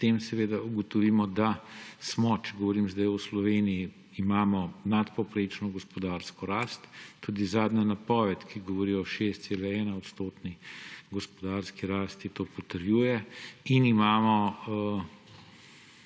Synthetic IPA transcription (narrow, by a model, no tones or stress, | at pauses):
t̪eːmsɛʋeːd̪auɡɔt̪ɔʋiːmɔd̪asmɔt͡ʃɛɡɔʋɔɾiːmzd̪ajɔslɔʋeːnijiː | maːmɔnat̪pɔwpɾeːt͡ʃnɔɡɔspɔd̪aːɾskɔɾaːst̪ːuːd̪izaːd̪nanapɔːʋɛt̪kiɡɔʋɔɾiːɔʃeːst̪selɛɛːnaɔt̪st̪oːt̪niɡɔspɔd̪aːɾskiɾaːst̪it̪oːpɔt̪əɾjuːjɛinimaːmɔ